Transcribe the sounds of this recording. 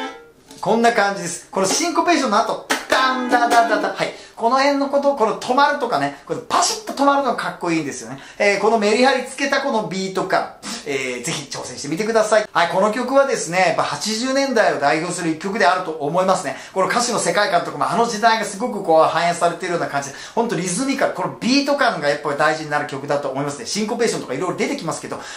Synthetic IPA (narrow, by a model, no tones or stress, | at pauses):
kõ̞nːakãɲ̟d͡ʑid̪e̞sɨ̥ko̞noɕĩŋkope̞ːɕonːoat̪o̞d̪̥and̪ad̪ãnd̪at̪ahaiko̞no̞hẽ̞nːo̞ko̞t̪̬oko̞not̪ʰo̞maɾɯ̟t̪o̞kane̞kopaɕi̥t̪ːot̪o̞maɾɯ̟noɡakakːo̞iːnd̪e̞sɨjo̞̰ne | eːko̞no̞me̞ɾʲiɦaɾʲit͡sɨ̥ke̞t̪ako̞no̞bʲiːt̪o̞ka̰eːd͡ze̞çʲit͡ɕo̞ːsẽɕi̥t̪emʲit̪e̞kɯ̟d̪asaihaiko̞no̞kʲo̞kɯ̟βad̪e̞sɨne̞japːahat͡ɕiʑɨːnẽ̞nd̪aio̞d̪aiço̞ːsɨɾɯ̟kʲo̞k̬ɯ̟d̪e̞aɾɯ̟t̪o̞ʔːmo̞imasɨne̞ko̞nokaɕino̞se̞kaikãnt̪o̞kamaːno̞ʑid̪aiɡasɨɡo̞kɯ̟koːhãɰ̃jãsaɾe̞t̪eɾɯ̟jo̞ːnakãɲ̟d͡ʑid̪ehont̪o̞ɾʲizɨmʲikaɾko̞nobʲiːt̪o̞kãŋɡajapːad̪aiʑiɲ̟inaɾɯ̟kʲo̞kɯ̟d̪at̪o̞ːmo̞imasɨneɕĩŋko̞be̞ːɕ̬õt̪okaiɾo̞iɾo̞d̪e̞t̪e̞kʲimasɨ̥ke̞d̪o̞